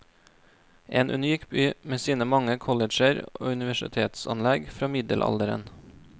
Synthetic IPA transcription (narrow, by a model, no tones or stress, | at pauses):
ʔeːnʔʉ̰nyːkbyːmeːsiːnəmɑŋəkʰɔləd͡ʒəɾo̰ːʉnɪʋæʃɪ̰t̪ʰeːt̪sɑ̰nlɛɡfɾɑːmɪd̪əlʔɑ̰ld̪əɾə̰n